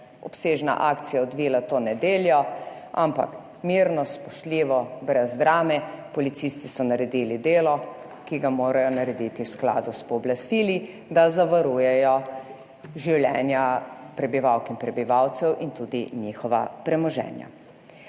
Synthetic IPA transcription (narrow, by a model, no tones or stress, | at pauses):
ɔpseːʒna̰ʔaːkt̪sijaɔd̪ʋiːlat̪oːnɛd̪eːljɔ | ʔa̰mpa̰k | miɾnɔspɔʃt̪liːʋɔbɾɛzd̪ɾaːmɛpɔlit̪sist̪isɔnaɾɛd̪iːlid̪eːlɔ | kiɡamoːɾajɔnaɾɛd̪it̪iwskla̰ːd̪uspɔːblast̪iːli | d̪azaʋaɾujɛjɔ | ʒiwljɛːnjapɾɛbiʋawkinpɾɛbiʋawt̪sɛwʔint̪ud̪inixɔʋa̰pɾɛmɔʒɛ̰ːnja̰